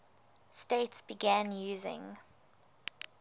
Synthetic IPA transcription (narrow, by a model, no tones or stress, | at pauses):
steɪtsb̥iɡæ̃njuːzɪ̰̃ŋ